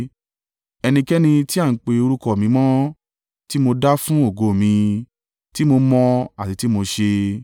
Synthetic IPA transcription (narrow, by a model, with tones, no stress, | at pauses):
ɛ˧nĩ˧kɛ˦nĩ˧ti˦a˦˨n̩˨˦k͡pe˧o˧ɾu˦kɔ˦˨mĩ˨˧˦mɔ̃˦ | ti˦mo˧da˦fũ˦o˦˨ɡo˨mĩ˧ | ti˦mo˧mɔ̃˧a˨ti˨˧ti˦mo˧ʃe˧